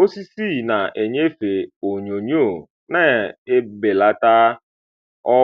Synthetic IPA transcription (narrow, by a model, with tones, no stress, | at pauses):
o˦si˦si˦˨na˨ʔe˨ɲe˦fe˨o˨ɲo˨ɲ˦o˦˨ | na˦e˦be˨la˦ta˦ | ɔ˦